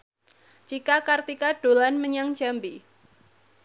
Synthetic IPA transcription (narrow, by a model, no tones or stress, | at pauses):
d͡ʒikakart̪ikaɖ̥o̤lanməɲaŋ̥d͡ʒ̥ambi